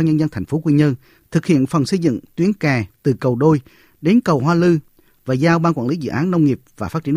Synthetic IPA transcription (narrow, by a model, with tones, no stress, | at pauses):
ɲə˧nzə˧nt̪ʰɛ˨˩ŋ̟fo˨˦kwi˧ɲə˧n | t̪ʰɨ˨˩k̚hḭ˧˨ənfə˨˩nsə˧jzɨ̰˧˨ŋt̪wi˨˦ənkaː˨˩t̪ɨ˨˩kə˨˩wɗo˧j | ɗe˨˦nkə˨˩wɦwaː˧lɨ˧ | vaː˨˩zaː˧wɓaː˧nkwa̰ː˧˩nli˨˦zɨ̰˧˨ʔaː˨˦nːə˧wŋ͡mŋi˨˩əp̚vaː˨˩faː˦˥t̚t͡ɕi˧ə˦